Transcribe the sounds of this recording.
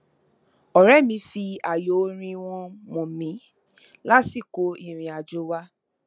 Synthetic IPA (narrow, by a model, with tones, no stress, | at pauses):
ɔ˨ɾɛ˦˨mĩ˧˦fi˧a˨jo˨˦ɾ̃ĩ˧w̃ɔ̃˧mɔ̃˨mĩ˨˦ | la˦si˦˨ko˨˦i˦˨ɾ̃ĩ˨a˨d͡ʒo˨˦wa˦